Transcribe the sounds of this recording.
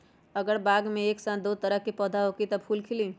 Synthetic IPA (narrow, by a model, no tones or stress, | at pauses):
əɡəɾbaːɡmẽeːksãːd̪oːt̪əɾəɦkipɔːd̪ʱaɦoːkit̪ɔbpʰuːlkʰɪli